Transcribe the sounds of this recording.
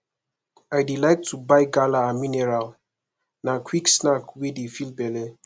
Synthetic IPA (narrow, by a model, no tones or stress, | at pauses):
ajdilaɪk̚tʰubajɡalaːminɛɹal | nakʰwiksnakwidefilbɛlɛ